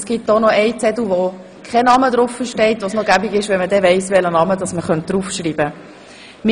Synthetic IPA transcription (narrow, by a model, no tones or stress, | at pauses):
sɡ̥it̚tɔnɔɛɪt͡sɛduʋo | kχɛnɑmədɾʊfːəʃtɛɪtʋosnoɡæbiɡɪʃʋɛmədɛʋɛɪsʋɛlənɑməd̥ɑsməχœnt̚d̥ɾufʃriːb̥ə | m